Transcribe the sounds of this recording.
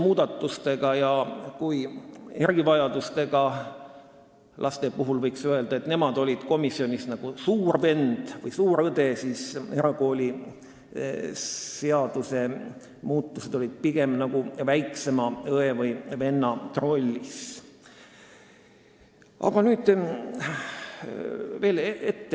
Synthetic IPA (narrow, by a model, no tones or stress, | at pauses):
muːd̪̥ɑt̪ːˑust̪e̞ɡ̥ɑjɑkujeɾɡ̥ivɑjɑd̪ust̪e̞ɡ̥ɑ | lʔɑst̪epuɦulvɤjksye̞ld̪̥ɑe̞t̪ne̞mɑd̪̥o̞lʲid̪̥ko̞misio̞nʲisnɑɡ̥usuːrve̞nd̪̥vɤjsuːɾɤd̪̥e̞siːse̞ɾɑɡo̞ːlʲi | se̞ɑd̪̥use̞ | muːt̪ˑːuse̞d̪o̞lid̪̥̚piɡ̥e̞mnɑɡ̥uvæjkse̞mɑɤe̞vɯjve̞nːɑt̪ro̞lʲːis | ɑ̰ɡ̥ɑnyːd̪̥ | ve̞ːleet̪ːe